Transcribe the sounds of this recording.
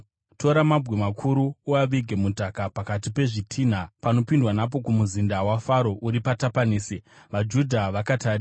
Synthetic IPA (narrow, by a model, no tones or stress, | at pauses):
tʰo̞ɾamabwemakʰuɾuːaʋiɡʱe̞mudʱakapakatipe̞ʐitʰiːn̤apano̞pindwanap̬o̞kumuzindawafaɾo̞ʔuɾipatapaniːsiʋad͡ʒudʱaʋakataːɾi